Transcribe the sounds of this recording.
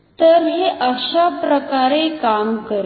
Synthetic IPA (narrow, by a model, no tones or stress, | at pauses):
t̪əɾɦeʔəʃapɾəkaɾekamkəɾ